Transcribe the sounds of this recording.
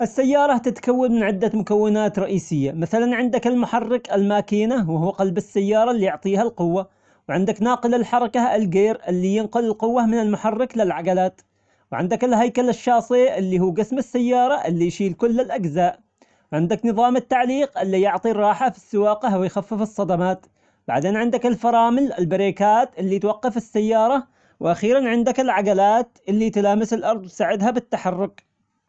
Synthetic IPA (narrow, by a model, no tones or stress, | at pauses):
ʔɪsːajːɑːɾˤɑt̪ɪt̪kawːanmɪnʕɪd̪ːamʊkawːɪnaːt̪ɾˤɑʔiːsɪjːamaθalanʕɪnd̪akɪlmʊħɑrːɪkɪlmaːkiːnawɪhuːqɑlbɪsːajːɑːɾˤɑlːijʊʕt̪ˤiːhalqʊwːa | wʕɪnd̪aknɑːqɪlɪlħɑɾˤɑkaɪlɡeːɾɪlːijɪnqʊlɪlqʊwːamɪnɪlmʊħɑrˤːɪklɪlʕaɡalaːt̪ | wʕɪnd̪akɪlɦajkalɪʃːɑːsˤɨʔɪlːihuːɡasmɪsːajːɑːɾˤɑʔɪlːijʃiːlkʊlːɪlʔaɡzaːʔ | wʕɪnd̪aknɨðˤɑːmɪt̪ːaʕliːqʔɪlːijʊʕt̪ˤiɾˤɑːħafi̥sːɪwɑːqahwɪjxafːɪfɨsˤːɑd̪amaːt̪ | b̥a̰ʕd̪eːnʕɪnd̪akɪlfɑɾˤɑːmɪlɪlbɪɾiːkaːt̪ʔɪlːit̪wɑqːɑfɪsːajːɑːɾˤɑ | wʔaxiːɾanʕɪnd̪akɪlʕaɡalaːt̪ʔɪlːit̪laːmɪsɪlʔɑɾˤd̪ˤwt̪saːʕɪd̪habɪt̪ːaħɑrːʊk